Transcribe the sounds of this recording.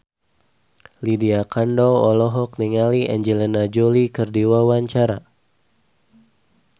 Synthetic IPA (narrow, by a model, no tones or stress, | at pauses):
lidiakandɔɔlɔɦɔk̚niŋaliʔɛɲd͡ʒɛlɛnad͡ʒolikɨrdiwawaɲt͡ʃaɾa̰